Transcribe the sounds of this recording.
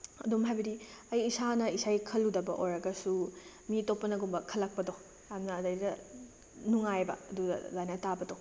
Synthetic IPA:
ɐdumɦajbɐdiɐjːsanɐisajkʰɐlːudɐbɐʔoɾɐɡɐsu | mitopːɐnɐɡumbɐkʰɐlːɐk̚pɐdo | jamnɐːdɐjdɐ | nuŋajbɐ̰ɐdudɐ̰zajnɐtabɐdo

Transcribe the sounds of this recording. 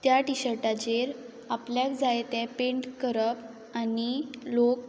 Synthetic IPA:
t̪jaʈiɕəɾʈat͡ɕeɾ | apljakd͡zajt̪ɛ̃peɳʈkəɾəp | anilok̚

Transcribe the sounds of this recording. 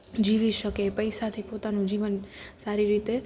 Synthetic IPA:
d͡ʒiʋiʃəkepəjsat̪ʰipot̪anũd͡ʒiʋənsaɾiɾit̪e

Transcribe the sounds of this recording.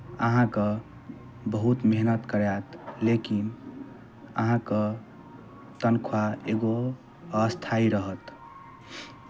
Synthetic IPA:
əɦãkə | bəɦut̪meɦnət̪kəɾɛt̪lekin | ə̰ɦãkə | t̪ənkʰwaeɡo | əst̪ʰaiɾəɦət̪

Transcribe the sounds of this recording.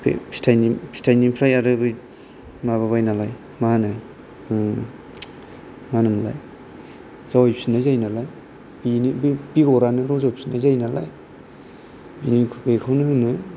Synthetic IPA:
pʰḛpʰi̥stʰajnipʰi̥stʰajnipʰɾajaɾɯbɯj | maβaβajnalaj | manaj | manɯmla̰j | z̥awajpsinajzajnalaj | binibb̥iɡɔɾanɯɾɔzawpʰsinazajnala̰j | binikʰbejkʰawnɯhɯnɯ

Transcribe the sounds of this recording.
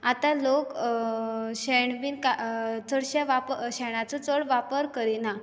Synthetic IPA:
at̪alok | ɕeɳʋiːnkat͡səɽɕaʋapɕɛɽ̃at͡sət͡səɽʋapəɾkəɾina

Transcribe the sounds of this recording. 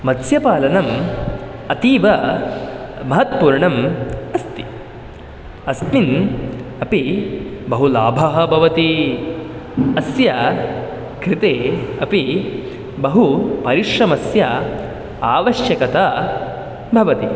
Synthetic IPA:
mɐd̪sjɐpaːlɐnɐm | ɐt̪iːʋɐ | mɐɦɐt̪̚puːɾɳɐmɐst̪i̥ | ɐsminɐpibɐɦulaːbʱɐɦɐ̆bʱɐʋɐt̪i | ɐsjɐ | kɾit̪eːɐpi | bɐɦupɐɾiʂɐmɐsjɐ | aːʋɐʃjɐkɐt̪ɐ | bʱɐʋɐt̪i

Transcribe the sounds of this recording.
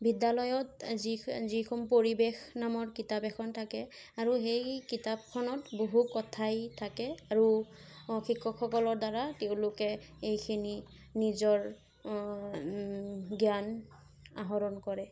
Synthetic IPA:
bidalɔjɔtzizikʰɔmpoɹibexnamɔɹkitapɛkʰɔntʰakɛ | aɹuɦejkitab̚kʰɔnɔtboɦukɔtʰajtʰakɛaɹu | xikʰːɔkʰːɔkɔlɔɹdaɹateʊ̃lʊkɛ | ejkʰini | nizɔɹ | ɡjan | aɦɔɹɔnkɔɹɛ

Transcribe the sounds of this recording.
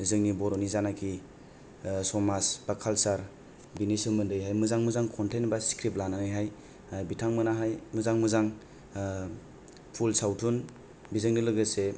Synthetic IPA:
zɯŋnibɔɾɔnizanakʰi | sɔmasb̥akʰalsaɾ | binisɯmɯndɯjɦajmɯzaŋmɯzaŋkʰɔntenbasi̥kʰɾip̚lananɯjɦaj | abitʰaŋmɯnaɦajmɯzaŋmɯzaŋ | pʰulsawtʰun | bizɯŋnilɯɡɯse

